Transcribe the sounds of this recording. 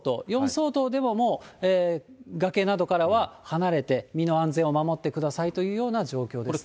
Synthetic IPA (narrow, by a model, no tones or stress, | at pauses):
t̪o̰ːjõ̞ɰ̃so̞ːt̪o̞ːd̪e̞mo̞mo̞ːeːɡake̞nad̪o̞kaɾaβahanaɾe̞t̪e̞mʲino̞ãnzẽ̞ɰ̃o̞mamo̞t̪ːe̞kɯ̟d̪asait̪o̞jɯ̟ːjo̞ːnaʑo̞ːkʲo̞ːd̪s